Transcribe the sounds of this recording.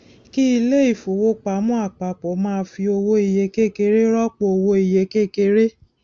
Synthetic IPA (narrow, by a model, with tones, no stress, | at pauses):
ki˦i˧le˦i˦˨fo˨wo˦k͡pa˨˦mũ˦a˦˨k͡pa˨k͡pɔ˨˦mãː˦˧˦fi˧o˧wo˧˦i˨je˨˧ke˦˨ke˧ɾe˦ɾɔ˦k͡po˧o˧wo˧i˨je˨˦ke˦ke˧ɾe˦